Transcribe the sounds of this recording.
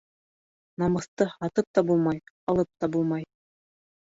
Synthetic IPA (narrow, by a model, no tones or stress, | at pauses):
nɑmɤ̆θt̪ɤhɑt̪ɤp̚t̪ɑbulˠmɑjɑlˠɤp̚t̪ɑbulˠmɑj